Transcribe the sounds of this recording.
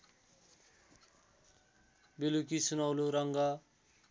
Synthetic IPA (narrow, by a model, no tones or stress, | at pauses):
belukisunʌwloɾʌŋɡa